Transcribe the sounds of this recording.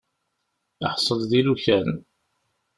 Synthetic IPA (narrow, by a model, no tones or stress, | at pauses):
əħsˤəlðiluçæn